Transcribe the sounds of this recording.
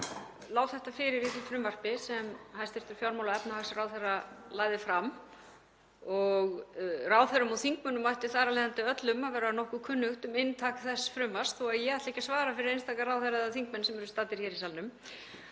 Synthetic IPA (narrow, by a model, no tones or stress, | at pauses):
laːwθɛht̪afɪɾɪɾiθʏfɾʏmvar̥pɪsɛmhajst̪ɪft̪ʏɾ̥fjawɾmawlaɛpnahaɣsraːwθɛrːalaːjðɪfɾam | ɔɣraːwθɛɾʏmaθiŋkmœnʏmːajht̪ɪθaːɾalɛjðant̪ɪœt̪lʏmaðvɛːɾanɔhkʏkʰʏnːʏxt̪ʏmɪnt̪ʰaːkθɛsfɾʏmvar̥st̪θɔaðjɛɣaht̪lehcasvaːɾafɪɾɪɾejnst̪aːkaɾaːwθɛɾaðaθiŋk̚mɛnsɛmɛɾʏst̪aːt̪ɪɾ̥çɛːɾisalnʏm